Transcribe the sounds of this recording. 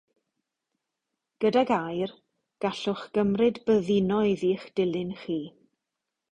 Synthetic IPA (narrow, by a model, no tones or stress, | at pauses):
ɡ̥ədaɡajr | ɡ̥aɬʊχɡ̥əmrɨdbəðɪnɔiðiːχd̥ɪlˠɪnχiː